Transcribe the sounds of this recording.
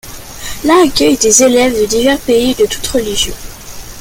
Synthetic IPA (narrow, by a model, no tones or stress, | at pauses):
laːkʲœjd̪ezelɛvd̪əd̪ivɛʁpeid̪ət̪u̥t̪ʁəliʒjɔ̃